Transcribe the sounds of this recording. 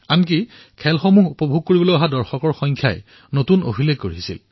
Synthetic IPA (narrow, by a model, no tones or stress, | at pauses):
ank̬i | kʰɛlxomuɦupɔbʱuɡ̚kːoɹibɔlojaɦadɔɹxɔkɔɹxɔjŋkʰja̰j | notuno̰bʱileɡkoɹisḭl